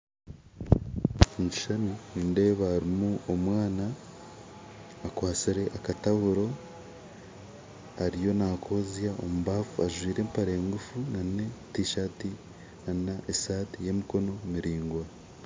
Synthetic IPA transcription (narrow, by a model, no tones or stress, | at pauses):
ɲt͡ʃi̥ʃanuninde̞ːβaːɾimuomwaːna | kwaːt͡siɾe̞ʔakataβuɾo̞ | aɾijo̞nakʰo̞ːzjao̞̰muβaːfuaʒwiːɾe̞mpaɾeeŋɡufunanne̞tiʃati | anaʔesaːtije̞miko̞no̞miɾiːŋɡwa